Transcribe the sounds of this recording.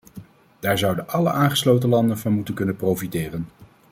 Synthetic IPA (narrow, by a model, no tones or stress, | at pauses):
d̥aːɹzʌwdənʔɑləʔaːnχə̥slowtəlɑndənvɑnmutənkɵnəprowfitɪːrən